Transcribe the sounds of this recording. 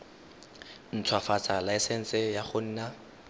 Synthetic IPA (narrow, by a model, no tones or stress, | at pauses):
n̩t͡sʰwafat͡salaɪsɛn̩t͡sʼɪjaχʊn̩ːna